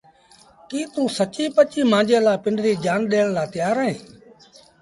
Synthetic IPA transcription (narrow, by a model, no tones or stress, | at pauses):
kiːt̪ũːsət͡ʃiːpət͡ʃiːmãːd͡ʒeːlaːpɪɳɖɾiːd͡ʒaːnɗeːɽ̃laːt̪ɪjaːɾẽː